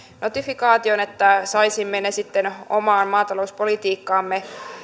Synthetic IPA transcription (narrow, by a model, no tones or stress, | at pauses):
no̞t̪ifikɑːt̪io̞ne̞t̪ːæsɑjsimːenesit̪ːeno̞̰mɑːnmɑːt̪ɑlo̞uspo̞lit̪iːkːɑːmːe̞